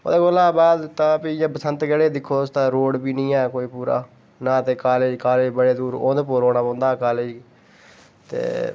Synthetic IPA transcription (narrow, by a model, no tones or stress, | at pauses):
o̰ːd̪eːɡolãːbaːd̪t̪ãːpiɪjãːpəsənt̪ɡɛɽeːd̪ɪkʰːoːst̪ãːɾoːɽbiːnĩːaːkoːiːpuːɾa̰ː | naːt̪eːkaːleːd͡ʒkaːleːd͡ʒbəɽeːd̪uːɾo̰ːd̪epoːɾoːnaːbõːnd̪aːkaːleːd͡ʒ | t̪ḛː